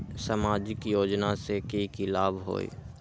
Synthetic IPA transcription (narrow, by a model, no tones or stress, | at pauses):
səmaːd͡ʒɪkjoːd͡ʒnasekeikilaːbɦo̰ːḭ